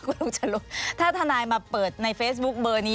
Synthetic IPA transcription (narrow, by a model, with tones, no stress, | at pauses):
ku˧˥˦lu˦˧˥t͡ɕa˨˩lu˦˥k̚t̪ʰaː˥˩t̪ʰa˧naː˧jmaː˧pɤː˨˩t̪̚na˧jfeː˦˥s̬̚bu˦˥k̚bɤː˧niː˦